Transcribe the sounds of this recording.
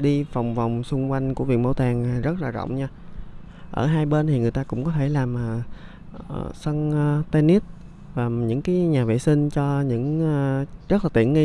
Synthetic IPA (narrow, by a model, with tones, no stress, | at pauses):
ɗi˧fa˨˩wŋ͡mva˨˩wŋ͡msʊ˧ŋ͡mkwa˧jŋ̟ku˧˩əvi˨˩ən̚mə̰˧˦wt̪aː˨˩ŋa˨˩zə˦˥t̚laː˨˩zɔ̰˧˨wŋ͡mɲaː˧ | ʔəː˧˩ɦaː˧jɓe˧nt̪ʰi˨˩ŋɨ˨˩əjt̪aː˧kʊ̰˧˥ŋ͡mkɔ˨˦t̪ʰe˧˩laː˨˩mʔaː˨˩ | ʔə̰˨˩sə˧ŋː˧t̪e˧ni˦˥t̚ | vaː˨˩ɲɨ̰˧˥ŋkaː˨˦jɲaː˨˩vḭ˧˨sï˧ŋ̟t͡ɕɔ˧ɲɨ̰˧˥ŋː˧ | zə˦˥t̚laː˨˩t̪ḭ˧˨əŋi˧